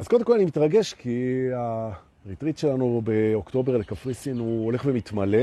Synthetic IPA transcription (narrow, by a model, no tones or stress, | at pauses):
azko̞demkolanimit̪ʁaɡe̞ʃkʰia | ʁit̪ʁit̪ʃe̞lanube̞okt̪o̞be̞ʁlekafʁisinuo̞le̞χvemit̪male